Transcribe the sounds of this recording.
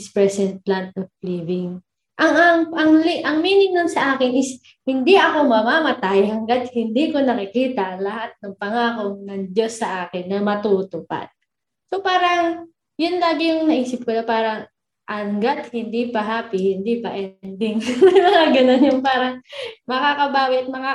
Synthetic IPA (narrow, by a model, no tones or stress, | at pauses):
spɹɛsɛnt̪̚plant̪̚ʔofliːvɪŋ | ʔɐŋʔaɐŋliʔɐŋmiːnɪmnonsɐʔaːkɪnʔɪs | hɪnd̪iʔɐko̞mɐmamɐt̪ajhɐŋɡat̪̚hɪnd̪iːko̞nɐkɪkiːt̪ɐlɐhat̪̚nɐŋpɐŋaːko̞ŋnɐŋd͡ʒ̪jo̞sːɐʔaːkɪnːɐmɐt̪ut̪ʊpa̰d̪̥̚ | sopaːɾɐŋ | jʊnlaːɡɪjʊŋnɐʔiːsɪp̚kod̪ɐpaːɾɐŋ | ʔɐŋɡat̪̚hɪnd̪ipɐɦaːpɪhɪnd̪ipɐʔɛnd̪ɪŋaɡɐnonjʊŋpaːɾɐŋmɐkakɐbaːwɪɐt̪̚mɐka